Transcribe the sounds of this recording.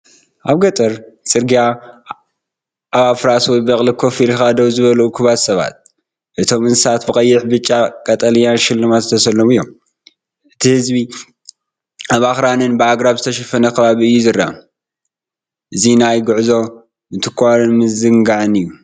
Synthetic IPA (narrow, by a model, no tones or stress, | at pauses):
ʔaβɡɐt̪ʼɐɾsʼɨɾɡija | ʔaβafɨɾaswɔjbɐkʼlikʰo̞filxad̪ɐwzɨβɐlɐʔukʰɨβasɐβa̰t̪̚ | ʔɨt̪ʰo̞mɨnsat̪bɨkʼɐjːɪħbɨt͡ʃʼːakʼɐt̪ʼɐlɨjanʃɪlːɨmat̪t̪ʰɐsɐlːomɨjːom | ʔɨt̪ʰihɨzbi | aβaxɾanɨnbɨaɡɾaβzɨt̪ʰɐʃɐfɐnɐkʰɐβaβiɨjːuzɨrːa | ʔɨzinajɡʊʕzo̞ | nɨt̪ʰɨ̥kʰːanɨnmɨzɨŋɡaʕɨnɨjːu